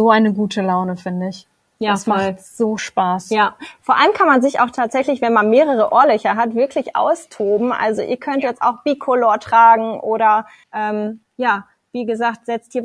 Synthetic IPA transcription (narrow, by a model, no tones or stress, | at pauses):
zoːʔaɪnəɡuːtʰəlaʊnəfɪndəɪç | jaasmaɔtz̥oːʃpaːsjaːfoːɐʔa̰ləmkʰanmanzɪça̰ʊxtʰaːtz̥ɛçlɪçvɛnmanmeːʁəʁ̞əʔoːɐlœçɐɦatv̥ɪɐkʰlɪçʔa̰ʊstʰoːbm̩ʔa̰lzoʔḭːɐkʰœntjɛt͡sta̰ʊxb̥iːkʰoloːɐtʁ̥aːɡŋ̩ʔoːɾɐ | ʔɛːm | jaː | viːɡəzaːktz̥ɛt͡stiːɐ